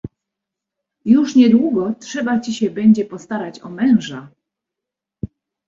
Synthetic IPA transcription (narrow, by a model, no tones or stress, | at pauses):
juʂɲɛd̪wuɡɔtʂɛbat͡ɕiɕɛbɛɲd͡ʑɛpɔst̪aɾat͡ɕɔ̰mɛ̃w̃ʐa